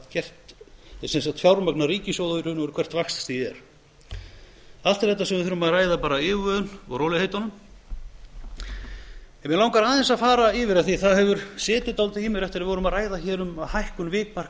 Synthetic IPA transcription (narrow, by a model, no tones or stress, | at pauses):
t̪cɛr̥t̪ɛsɛnsat̪fjawɾmaknariːcɪsowðʏvʏɾhʏnːɔɾ̥kʰvɛr̥t̪vaxst̪sθiɛɾ | alt̪ɪɾ̥θɛht̪ːasɛmvɪθʏɾʏmaðraːjðapaːɾaɪːvœːðʏnɔ̰ɣrowlɪhejt̪anʏm | ɛnvjɛlawŋkaɾaːðɛnsaðfaːɾaɪvɪɾaðθiθaðhɛvʏɾ̥sɛːt̪ɪt̪awlt̪ɪimɪɾɛft̪ɪɾavɪvɔɾʏmaðraːjðaçɛːɾʏmaðhajhkʏnvɪːkmar̥